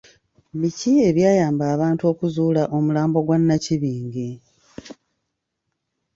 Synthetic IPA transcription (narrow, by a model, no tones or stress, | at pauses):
micie̞βjaːjaːmbaːβaːntuo̞ːkuzuːlaʔo̞mulaːmbo̞ɡwanːaciβiːŋɡe